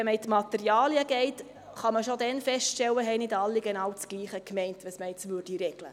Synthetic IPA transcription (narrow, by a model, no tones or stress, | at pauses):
ɛməɪtmɑtɛɾjɑːliəɡ̥ɛɪt | χɑməʃodɛnfɛstʃtɛlːəɦɛɪnɪdɑlːiɡɛnɑːwt͡sɡ̥liːχəkmɛɪntʋɛsməɪt͡sʋʏɾd̥iɾɛɡ̥lə̰